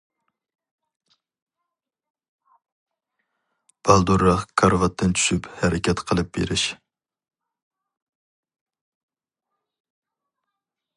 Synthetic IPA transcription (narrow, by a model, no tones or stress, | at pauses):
b̥ɑlˠd̪uɾːɑχkʰɑɾvɑt̪ʰːɨnt͡ʃʰy̥ʃyphɛɾʔɪkʲɛt̪qʰəlˠɨp̚b̥ḛɾɪʃ